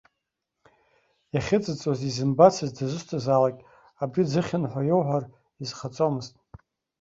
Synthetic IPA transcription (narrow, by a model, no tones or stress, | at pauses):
jaχʲɪt͡sʼɨt͡sʼozizɨmbat͡sʰɨzdazʷɨstʰazalakʲʼ | abrid͡zɨχʲɪnħʷajowħʷar | izχat͡sʼomɨztʼ